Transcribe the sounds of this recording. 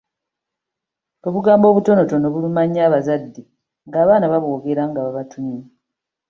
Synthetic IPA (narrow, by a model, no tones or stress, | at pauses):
oβuɡaːmbo̞ːβuto̞no̞to̞no̞βulumaɲːaːβazadːe | ŋɡaːβaːnaβaβuoɡe̞ɾaŋɡaβaβatʰumi